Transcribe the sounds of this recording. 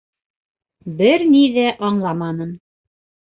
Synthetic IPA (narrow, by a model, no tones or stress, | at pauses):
bɘɾniðæʔɑɴlˠɑmɑnɤn